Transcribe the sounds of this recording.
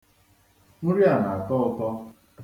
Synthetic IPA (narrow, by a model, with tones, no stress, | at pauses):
ŋ̩˦ɾi˦a˨na˨tɔ˦ɔ˨kɔ˦